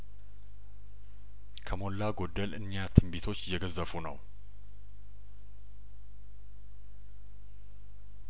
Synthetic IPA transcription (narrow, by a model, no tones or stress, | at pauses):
kʰəmo̞lːaɡo̞d̪ːəlɨɲːat̪ʰɨmbit̪ʰo̞t͡ʃːjɛɡəzːəfunəw